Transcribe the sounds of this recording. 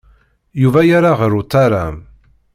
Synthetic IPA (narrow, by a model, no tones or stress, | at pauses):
juvæjaɾaʁəɾʊt̪ˤːaɾam